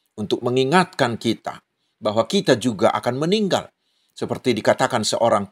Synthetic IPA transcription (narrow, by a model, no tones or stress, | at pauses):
unt̪ʊk̚məŋiŋat̪̚kankit̪a̰ | baɦwakit̪ad͡ʒuɡaʔa̰kanməniŋɡa̰l | səpərt̪idikat̪akansə̰ʔoɾaŋ